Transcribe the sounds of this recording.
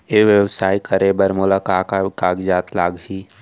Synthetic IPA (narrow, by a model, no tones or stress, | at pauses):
eːʋjəwsaːikəɾebəɾmʊlakakkaːɡd͡ʒaːt̪laːɡɦiː